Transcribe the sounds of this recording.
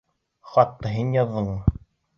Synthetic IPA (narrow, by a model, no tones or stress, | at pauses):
χɑt̪ːɤɦinjɑðːɤɴ